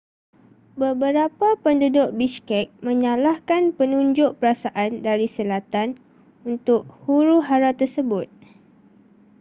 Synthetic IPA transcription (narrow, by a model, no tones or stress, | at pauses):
bəbəɾapapəndudʊʔ̚biskɛk̚mə̃ɲãlahkanpənũɲd͡ʒʊʔ̚pəɾasaʔandaɾisəlat̪an | unt̪ʊʔ̚huɾuɦaɾat̪ərsəbʊt̪̚